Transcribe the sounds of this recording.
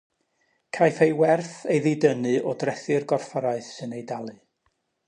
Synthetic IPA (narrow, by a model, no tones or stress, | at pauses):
kʰajfejwɛrθejðɪdənɨʔɔdrɛθɨrɡɔrfaɾaɨθsɨnejdalˠɨ